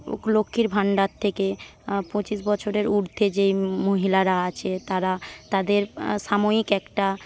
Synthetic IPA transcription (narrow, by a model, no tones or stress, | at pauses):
lokʰːiɾbʱaɳɖat̪ʰːekepõt͡ɕiʃbɔt͡ɕʰoɾeɾuɾt̪ʰːed͡ʑejmoɦilaɾaat͡ɕʰet̪aɾat̪ad̪eɾʃamoikɛkʈa